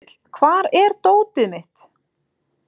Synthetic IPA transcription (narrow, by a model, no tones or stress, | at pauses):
t̪l̥kʰvaːɾɛɾt̪oːwt̪ɪmɪht̪